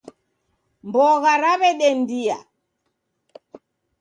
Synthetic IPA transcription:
mbɔɣaɾaβɛɗɛndia̰

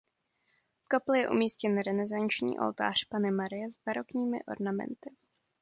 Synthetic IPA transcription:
fkaplɛjɛʔṵmiːscɛnɾɛnɛzant͡ʃɲḭːʔo̰lt̪a̰ːr̝̥panɪmaɾɪjɛzbaɾokɲiːmɪ̰ʔo̞̰ɾnamɛ̰nt̪ɪ

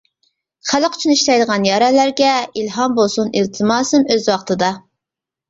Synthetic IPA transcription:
χælqʰt͡ʃʰynɨiʃt̪ɑjd̪əʁɑnjɑɾɛlæɾɡʲɛilɦɑmbolˠsunilt̪ʰɨmɑːsɨmøzwɑχt̪ʰɨd̪ɑ

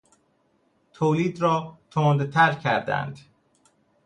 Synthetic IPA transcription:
t̪ʰoːliːd̪ɾɒːt̪ʰond̪t̪ʰæɾcʰæɾd̪æ̰nd̪̥

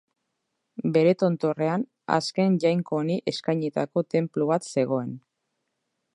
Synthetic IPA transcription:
be̞ɾe̞t̪o̞nt̪o̞re̞an | a̰ske̞nʝajŋko̞ːniʔe̞skajɲet̪ako̞t̪e̞mpluβ̞at̪se̞ɣ̞o̞e̞n

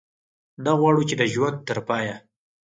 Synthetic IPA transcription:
naɣwɑɽut͡ʃed̪əʒwand̪̚t̪əɾpɑja

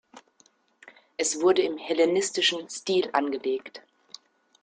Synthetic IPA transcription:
ʔɛsv̥ʊɐdəɪmhɛlenɪstɪʃn̩stiːlʔanɡəleːkt

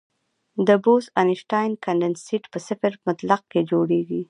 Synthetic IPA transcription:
d̪əbozanɪʃʈɑjnkaɳɖɪnsiʈpəsɪfɪɾmʊt̪laq̚ked͡ʒoɽeɡi

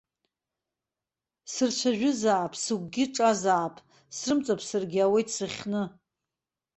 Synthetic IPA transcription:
sɨrt͡ʃʷʰaʒᶣʊzaːpʼʰsɨɡ̚ʷʼɡʲɪʈ͡ʂʼazaːpʼ | srɨmt͡sʼapʰsɨrɡʲɪawejtʰʼsɨχʲnɨ

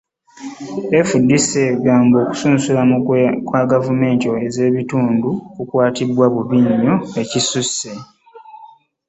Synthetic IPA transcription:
efudːise̞ɡaːmbo̞ːku̥suːnsulamukwaɡavume̞ːntoeze̞ːβituːndukukwaːtibwaβuβiɲːoe̞cisusːe

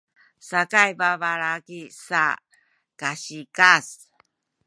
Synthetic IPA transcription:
sakajbavaɾakisa̰ | kaɕikas

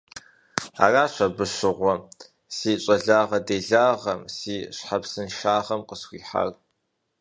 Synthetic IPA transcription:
a̰ːraːɕʷɐbɨʃɪʁʷɔ | siːɕʼɐɮaːʁɐdeːɮaːʁɐ̰msiːɕħapsɨnʃaːʁɐmqəsxʷiːħa̰r

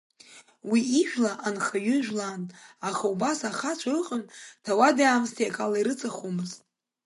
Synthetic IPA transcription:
wiiʒᶣlaʔanχaɥʏʒᶣlanaχaubasaχat͡ʃʷʰarɨqʼəntʰawadaːmstʰiakʼalaiɾɨt͡sʼaχomɨztʼ

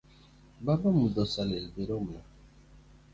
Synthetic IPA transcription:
babamudɔsalelbeɾoma

